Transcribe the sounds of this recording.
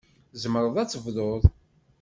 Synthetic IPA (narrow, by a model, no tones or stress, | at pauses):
zəmɾˤəðˤæt͡sːəvðˤoðˤ